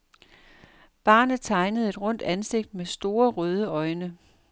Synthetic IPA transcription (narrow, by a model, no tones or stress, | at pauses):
b̥ɑ̈ːnð̩ˠt͡sʰɑ̈ɪnəð̞̩ˠe̝d̥ʁɔ̽n̰d̥ænse̝ɡ̥̚d̥̚mesd̥o̝ːɐʁœːð̞ˠəɒ̽ɪnə